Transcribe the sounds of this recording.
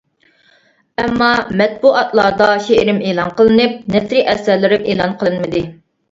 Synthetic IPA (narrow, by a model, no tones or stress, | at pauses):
ɛmːɑmɛt̪̚buɑt̪ʰlˠɑɾd̪ɑʃeʔɾɪmeːlˠɑnqəlˠɨnɨp̚nɛt̪ɾiʔɛsæɾlɪɾɪmeːlˠɑnqʰəlˠɨnmɨd̪ɨ